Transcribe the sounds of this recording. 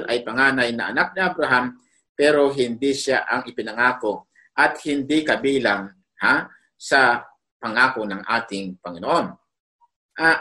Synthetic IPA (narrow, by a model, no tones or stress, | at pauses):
lʔɐjpɐŋaːnɐjnɐʔɐnak̚nɪʔabɾɐɦam | pɛːɾo̞ɦɪnd̪iʃaʔɐŋɪpɪnɐŋaːko̞ | ʔɐt̪̚hɪnd̪ikɐbiːlaŋ | ha | sɐ | pɐŋaːkonɐŋʔaːt̪ɪŋpɐŋɪnoʔo̞n | ʔa